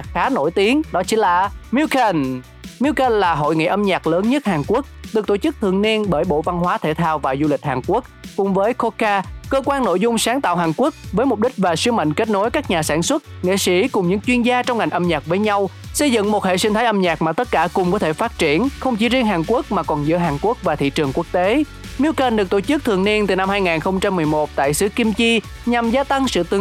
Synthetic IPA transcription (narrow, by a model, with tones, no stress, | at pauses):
xaː˨˦no˧˩jt̪i˨˦əŋɗɔ˨˦t͡ɕi˨˦nlaː˨˩mi˧wkə˧n | mi˧wkə˧nlaː˨˩ɦo̰˧˨jŋḭ˧˨ʔə˧mɲaː˨˩k̚ləː˨˦nɲə˦˥t̚haː˨˩ŋku˦˥ək̚ɗɨ˨˩k̚t̪o˧˩t͡ɕɨ˦˥k̚t̪ʰɨ̰˧˨əŋni˧ənɓəː˧˩jɓo̰˧˨va˧nɦwaː˨˦t̪ʰe˧˩t̪ʰaː˧wvaː˨˩zu˧lï˨˩k̟̚haː˨˩nku˦˥ək̚kʊ˨˩ŋ͡mvəː˨˦jko˧kaː˧kəː˧kwaː˧nːo̰˧˥˨jzʊ˧ŋ͡msaː˨˦ŋt̪a̰ː˧˨wɦaː˨˩ŋku˦˥ək̚vəː˨˦jmʊ˨˩p̚ɗï˦˥k̟̚vaː˨˩swi˧ma̰˧˨jŋ̟ke˦˥t̚no˨˦jkaː˦˥k̚ɲaː˨˩saː˧˩nswə˦˥t̚ŋḛ˧˨sḭ˧˩kʊ˨˩ŋ͡mɲɨ̰˧˥ŋt͡ɕwi˧ənzaː˧t͡ɕɔ˧wŋ͡mŋa˨˩jŋ̟ʔə˧mɲaː˨˩k̚vəː˨˦jɲa˧wsə˧jzɨ̰˧˨ŋmo˨˩t̚hḛ˧˨si˧ŋt̪ʰaː˨˦jʔə˧mɲaː˨˩k̚maː˨˩t̪ə˦˥t̚kaː˧˩kʊ˨˩ŋ͡mkɔ˨˦t̪ʰe˧˩faː˦˥t̚t͡ɕi˧˩ənxə˧wŋ͡mt͡ɕi˨˦zi˧əŋɦaː˨˩ŋku˦˥ək̚maː˨˩kɔ˨˩nzɨ̰˧˥əɦaː˨˩nku˦˥ək̚vaː˨˩t̪ʰḭ˧˨t͡ɕɨ˨˩əŋku˦˥ək̚t̪e˨˦ | mi˧əwkə˨˩nɗɨ˨˩k̚t̪o˧˩t͡ɕɨ˦˥k̚t̪ʰɨ˨˩əŋni˧ənt̪ɨ˨˩na˧mhaː˧jŋaː˨˩nxə˧wŋ͡mt͡ɕa˧mːɨ˨˩əjmo˨˩t̚t̪a̰ː˧˨jsɨ˨˦ki˧mt͡ɕi˧ | ɲa˨˩mzaː˧t̪a˧ŋsɨ̰˧˨t̪ɨ˨˦